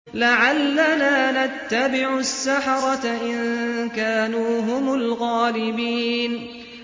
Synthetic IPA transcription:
laʕalːanaːnat̪ːabɪʕʊsːaħɑɾˤɑt̪aʔɪnkaːnuːɦʊmʊlɣaːlɪbiːn

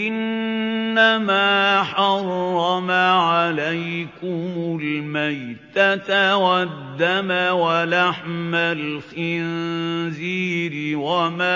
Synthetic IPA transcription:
ʔɪnː | amaːħɑrˤːɑmaʕalajkʊmʊlmajt̪at̪wad̪ːamawalaħmalxɪnziːɾɪwamaː

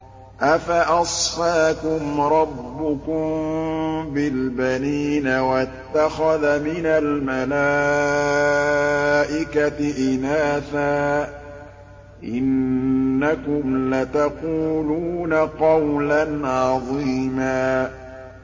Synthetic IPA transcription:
ʔafaʔɑsˤfaːkʊmɾˤɑbːʊkʊm | bɪlbaniːnawat̪ːaxaðamɪnalmala | ʔɪkat̪ɪʔɪnaːθaː | ʔɪnː | akʊmlat̪aquːluːnaqɑwlanʕɑðˤiːmaː

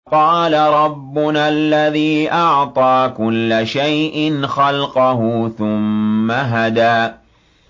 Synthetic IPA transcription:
qɑːlaɾˤɑbːʊnalːaðiːʔɑʕt̪ˤɑːkʊlːaʃajʔɪnxɑlqɑhʊθʊmːaɦad̪aː

